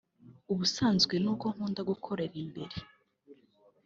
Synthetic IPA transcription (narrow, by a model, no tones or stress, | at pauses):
uβusaːnzɡwenuːkoŋ̥uːndaɡukʰoɾeɾiːmbe̞̰ɾi